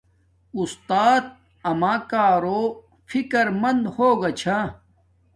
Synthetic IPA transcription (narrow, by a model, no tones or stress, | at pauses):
ust̪aːt̪̚ | ɐmaːkaːɾoː | fikɐɾmɐnd̪hoːɡɐt͡ɕʰa